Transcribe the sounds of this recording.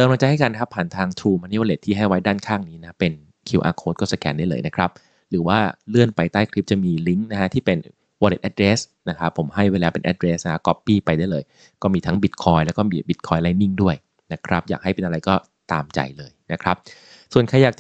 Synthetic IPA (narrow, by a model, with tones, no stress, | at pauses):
t̪ɤː˧mla˧ŋt͡ɕa˧ha˥˩jkaː˧nkʰa˦˥pʰːaː˨˩nt̪ʰaː˧ŋt̪ʰɾuː˧maː˧ni˦˥waː˧le˨˩t̪ʰːiː˥˩ɦa˥˩jwa˦˥jdaː˥˩nkʰaː˥˩ŋniː˦˥na˦˥pe˧n | kʰi˧wʔa̰ː˧kʰoː˦˥t̪̚kɔː˥˩sa˧kɛ̰ː˧nda˥˩jlɤː˧jna˦˥kʰɾa˦˥p̚ | ɾɯː˩˦waː˥˩lɯ˥˩ənpa˧jt̪aː˥˩jkʰɾi˦˥p̚t͡ɕa˨˩miː˧li˦˥ŋna˦˥kʰa˦˥t̪ʰiː˥˩pe˧n | waː˧lḛ˨˩t̪̚ʔɛ˨˧t̪̚ɾeː˦˥sna˦˥kʰa˦˥pʰːo˩˦mɦa˥˩jweː˧laː˧pe˧nʔɛ̰˧t̪̚ɾeː˦˥sna˦˥a˦˥kɔ˦˥pːiː˥˩pa˧jda˥˩jlɤː˧j | kɔː˥˩miː˧t̪ʰa˦˥ŋbi˨˦˩t̪̚kʰɔː˧jlɛː˦˥wkɔː˥˩miː˧bi˨˦t̪̚kʰɔː˧jla˧˥jni˥˩ŋdu˥˩əj | na˦˥kʰɾa˦˥p̚jaː˨˩k̚ɦa˥˩jpe˧nʔa˧ɾa˧jkɔː˥˩ | t̪a̰ː˧mt͡ɕa̰˧jlɤː˧jna˦˥kʰɾa˦˥p̚ | su˨˩ənkʰa˧jaː˨˩k̪̚